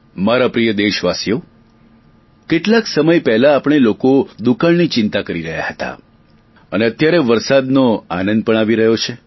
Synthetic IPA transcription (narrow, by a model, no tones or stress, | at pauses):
maɾapɾijəd̪eʃʋasjo | keʈlaksəməjpɛɦlaːpɽ̃elokod̪ukaɭnit͡ʃɪnt̪akəɾiɾəɦja̰hət̪a̰ | əneət̪jaɾeʋəɾsad̪noanənd̪̚pəɳ̃aʋiɾəɦjot͡ʃʰe